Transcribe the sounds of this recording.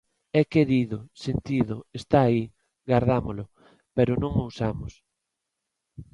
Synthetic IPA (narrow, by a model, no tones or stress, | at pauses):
ɛkeɾiðʊsent̪iðʊest̪aːi | ɣaɾðamolʊ | pɛɾʊnõŋowsamʊs